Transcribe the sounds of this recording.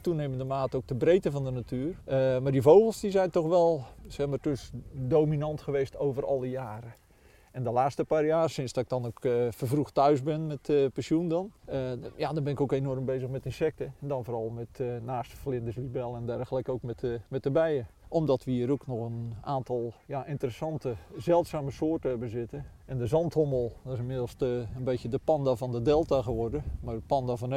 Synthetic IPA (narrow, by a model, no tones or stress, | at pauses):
tuneːməndəmaːtəowk̚təbreːtəvɔndənatyːərəmardivowɣəlˠsdizɛjntɔxʋɛlˠsɛxmartøsdowminɑntxəʋeːstowvərɔ̰lˠəjaːɾə | ɛndəlaːstəpaːrjaːrsɪnsdɔɪk̚d̥ɔnokfəvruxtœɥzbɪnmɛtəpɛnsjundɔnəjadɔnbɪnɪkowkenɔrmbejzəxmɛtɪnsɛk̚təɛndɔnfoːrɔlˠmɛtnaːstəflɪndəslibɛlˠɛndɛrɣələkowkmɛtmɛt̚əbɛjəɔmdɔtʋiəɾoknɔxənaːntɔlˠjaʔɪntərəsɑntəzɛlˠtsaːməsoːrtəɛbəzɪtəɛndəzɑnthoməlˠdɔɪsɪmɪdəl̩ˠstənbejtjədəpɑndavɔndədɛlˠtaɣəʋɔrdəmarəpɑndavɔn